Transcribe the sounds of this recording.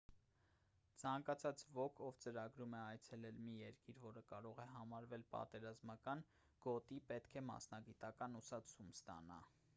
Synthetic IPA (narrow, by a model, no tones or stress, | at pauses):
t͡sʰɑŋkɑt͡sʰɑt͡svɔkʰɔvt͡səɾɑɡɾumɛɑjt͡sʰɛlɛlmijɛɾkiɾvɔɾəkɑɾɔʁɛɦɑmɑɾvɛlpɑ̰t̪ɛɾɑzmɑkɑn | ɡ̥ɔt̪ipɛt̪kʰɛmɑ̰snɑɡit̪ɑkɑnusɑt͡sʰumst̪ɑ̰nɑ̰